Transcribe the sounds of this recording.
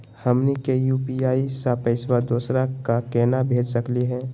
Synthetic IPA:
həmnikejuːpiaːisapəɪswad̪oːsɾakakɛːnabʱeːd͡ʒsəkliɦɛ̃ː

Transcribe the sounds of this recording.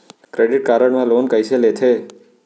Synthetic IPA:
kɾeɖɪʈ̚kaːɾəɳmãloːnkəjselet̪ʰe

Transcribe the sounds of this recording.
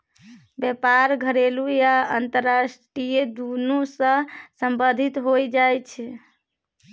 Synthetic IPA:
bjepaɾɡʱəɾelujaənt̪əɾːasʈɾijed̪unusə̃səmbəd̪ʱit̪ɦojd͡ʒajt͡ʃʰɛ

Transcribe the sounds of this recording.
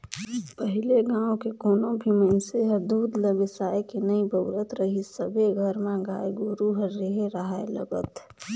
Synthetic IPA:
pəɦɪleɡãːõkekoːnõbʱimenseɦəɾd̪uːd̪ləbɪsaːekenəibəʋɾət̪ɾəɦisəbʱeɡʱəɾmẽɡaːeɡoːɾuɦəɾːeɦeɾəɦaelə̰ɡə̰t̪

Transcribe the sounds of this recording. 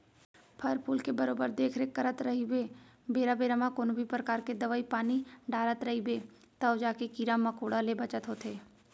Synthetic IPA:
pʰəɾpuːlkebəɾoːbəɾd̪eːkʰɾekəɾət̪ɾɐɦibe | beːɾabeːɾamakoːnbʱipɾəkaːɾked̪ɐʋaipaːniɖaːɾət̪ɾɐɦibeː | t̪əʊd͡ʒaːkekiːɾamɐkoːɽalebət͡ʃət̪ɦoːt̪eː

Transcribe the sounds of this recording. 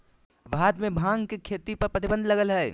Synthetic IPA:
ʋʱaːd̪mẽbʱãːŋɡkekʰeːt̪ipɐɾpɾət̪ibə̃nd̪ʱlɐɡəlɦɛː

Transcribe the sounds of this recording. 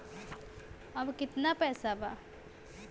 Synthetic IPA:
ɐbkɪt̪napɛːsaba

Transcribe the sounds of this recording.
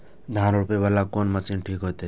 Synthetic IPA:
d̪ʱãːɾɽʊpebəlakoːnməsiːnʈʰiːkɦojt̪e

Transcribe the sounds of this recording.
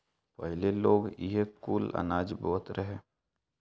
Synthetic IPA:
pəɦɪleloːɡɪɦekuːlə̰naːd͡ʒbɔːt̪ɾʔəɦeː

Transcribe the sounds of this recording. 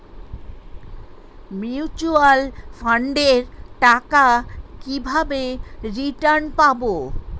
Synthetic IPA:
miut͡ɕualfʰaɳɖeɾʈakakibʱabeɾiʈaɾnpabo

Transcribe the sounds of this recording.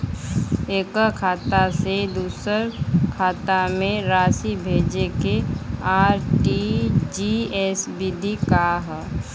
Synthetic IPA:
eːkəkʰaːt̪ased̪uːsəɾkʰaːt̪amẽɾaːsibʱeːd͡ʒekeaːɾʈid͡ʒiesbid̪ʱikaɦ

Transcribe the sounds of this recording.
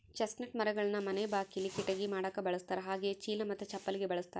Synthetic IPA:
t͡ʃɐsnɐʈmɐɾɐɡɐɭɐnːɐmɐnebaːkijɐlːikiʈɐɡimaːɽɐkːɐbɐɭɐst̪aːɾeɦaːɡet͡ʃiːlɐmɐt̪ːut͡ʃɐpːɐliɡebɐɭɐst̪aːɾ

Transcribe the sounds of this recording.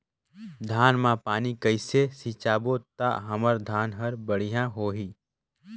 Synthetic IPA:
d̪ʱaːnmãpaːnikəɪsesit͡ʃaːbot̪a̰ɦɐməɾd̪ʱaːnɦəɾbəɽ̤ijãɦoːɦiː

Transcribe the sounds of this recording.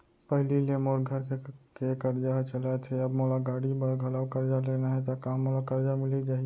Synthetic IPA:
pəɦlilemoɾɡʱəɾkekekəɾd͡ʒat͡ʃəlat̪ʰɛəbmolaɡaːɽibəɾɡʱəlawkəɾd͡ʒalenaɦɛt̪akaːmːolakəɾd͡ʒamɪlid͡ʒaːɦi

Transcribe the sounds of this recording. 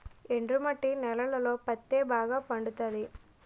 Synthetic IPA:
eɳɖɾumɐʈːinɛlɐlɐloːpɐt̪ːeːbʱaːɡɐpɐɳɖut̪aːd̪i

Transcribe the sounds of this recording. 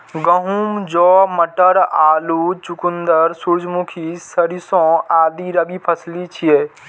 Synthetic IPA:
ɡəɦuːmd͡ʒɔːməʈəɾaːlut͡ʃukʊnd̪əɾsuɾd͡ʒʱmukʰisəɾisõaːd̪iɾəbipʰəslit͡ʃʰieː

